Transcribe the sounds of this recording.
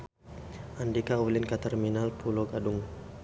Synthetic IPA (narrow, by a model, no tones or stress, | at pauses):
ʔandikaulɪnkat̪ɛrminalpulɔɡadʊŋ